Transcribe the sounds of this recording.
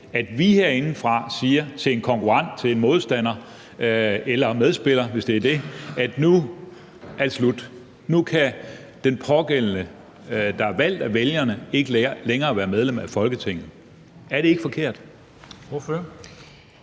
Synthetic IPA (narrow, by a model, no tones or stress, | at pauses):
æd̥ʋihe̝ɐ̰e̝nn̩fʁɑ̈siːɐt͡sʰe̝e̝nkʰɒ̽ŋkʰuʁɑ̈n̰d̥t͡sʰe̝le̝nmo̝ð̞ˠsd̥æn̰ɐ | elɐmeð̞ˠsb̥e̝l̰ɐʋe̝sd̥e̝æɐd̥e̝æd̥nu | æ̥slud̥ | nukʰæ | d̥enpʰɒ̽ɡ̥en̰nə | d̥ɑ̈æʋæl̰d̥æʋeljɐnəe̝ɡ̥əleːɐleŋɐːʋæːɐmeð̞ˠlemæfɒ̽lɡ̥ət͡sʰe̝ŋ̰ð̩ˠ | æɐɾ̥e̝e̝ɡ̥fɒ̽kʰe̝ɐ̰d̥ | fø